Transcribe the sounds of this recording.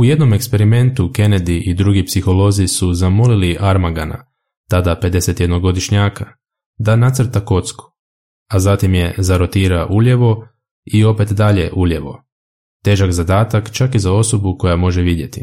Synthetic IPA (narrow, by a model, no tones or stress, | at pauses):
uje̞d̪no̞me̞kspe̞ɾime̞nt̪uke̞ned̪iʔid̪ɾuɡipsixo̞lo̞zisuzamo̞liliʔaɾmaɡana̰ | t̪ad̪ape̞d̪e̞se̞t̪jed̪no̞ɡo̞d̪iʃɲaːka | d̪anat̪sr̩ɾt̪ako̞t̪sku̥ | azat̪imje̞zaɾo̞t̪iːɾaʔuʎe̞ʋo̞ | io̞pe̞t̪d̪aʎe̞ʔuʎe̞ʋo̞̰ | t̪e̞ːʒakzad̪aːt̪akt͡ʃakizao̞so̞buko̞jamo̞ʒeʋid̪je̞t̪i